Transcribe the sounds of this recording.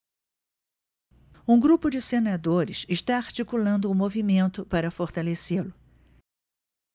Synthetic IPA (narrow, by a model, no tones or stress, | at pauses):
ũɡɾupʊd͡ʒɪsenad̪oɾɪsɪʃt̪aaɾt͡ʃikulɐ̃nd̪ʊːmovimẽnt̪ʊpaɾɐfoɾt̪aleselʊ